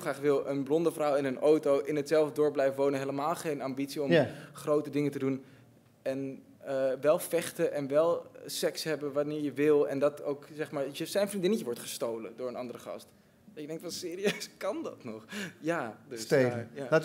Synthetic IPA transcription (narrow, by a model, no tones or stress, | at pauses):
lˠχraːχʋɪlˠʔənblɔndəfrawɪnənʔowtowʔɪnətsɛlˠvdədʊːɹblɛjfʋownənɦeləmaːlˠχejnambitsiɔmχrowtədɪŋətədun | ɛn | əʋɛlˠfɛχtəʔɛnʋɛlˠsɛksɦɛbəʋɑnɪːɹjəʋɪlˠɛ̰ndɑto̰wksɛχmaːɹəsɛjnfrindɪnəjəʋɔɹtχəstowlədʊːɹənɑndərəχɑ̰st | d̥ɑtjəɡdɛŋktfɑnsɪːɾiøskɑndɑ̰tnɔχjaːdøsejala